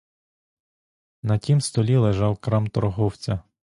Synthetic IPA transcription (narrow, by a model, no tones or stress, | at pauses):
nɐtʲimst̪ɔlʲilˠeʒɑwkɾɑmt̪ɔɾɔɦɔwt͡sʲɐ